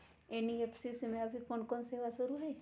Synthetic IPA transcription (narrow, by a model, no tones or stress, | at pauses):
eniepʰsismẽɐbʱikonkɔnseːʋasəɾuɦɛ